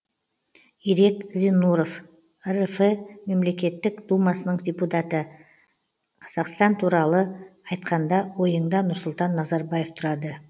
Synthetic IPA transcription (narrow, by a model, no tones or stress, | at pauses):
ijɾe̞kzenuɾo̞f | rfeme̞mle̞kʲe̞t̪ːɪkd̪̥umɑsənəɴdʲeput̪at̪ə | qʰɑz̥ɑqst̪ɑnt̪ʰuɾɑlˠəɑjt̪qɑnd̪ɑwo̞jəɴd̪ɑnʊɾsʊlˠt̪ɑnːɑzɑɾbɑje̞ft̪ʰʊɾɑd̪ə